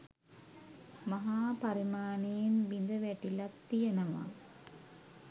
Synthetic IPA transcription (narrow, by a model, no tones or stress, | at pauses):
mɐɦaːpɐɾimaːniːnʋind̪ɐʋeʈːilɐt̪ːijɐnɐma̰ː